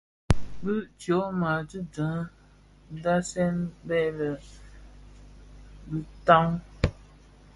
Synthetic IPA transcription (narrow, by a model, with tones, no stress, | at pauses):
bɨ˦ʔt͡ʃjo˨˦ma˨tɨ˦də̃˨˦ | da˦sɛ˦nbɛ˦˨lə˨ | bi˦ta˦ŋ